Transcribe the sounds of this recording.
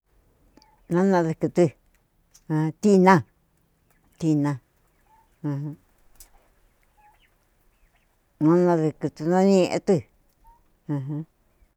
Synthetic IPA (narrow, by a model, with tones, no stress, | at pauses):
nã˦nã˧ðɨ˧kɨ˧t̪ɨ̃˧ | t̪i˦nã˧˨ | t̪i˧nã˧ | ɦ | nã˦nã˧ðɨ˧kɨ˧t̪u˧nã˦nĩ˦˧ʔḛ̃˧t̪ɨ˧ | ɨ̃˧ɦã˦